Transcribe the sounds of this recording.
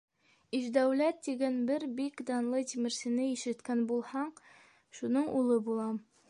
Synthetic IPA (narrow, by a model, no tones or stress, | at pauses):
iʒd̪æwlæt̪ːiɡænbɘɾbikd̪ɑnlˠɤt̪imɘ̆ɾsɘ̆nɘiʃɘ̆t̪kænbulˠhɑɴ | ʃunɤɴʔulˠɤbulˠɑm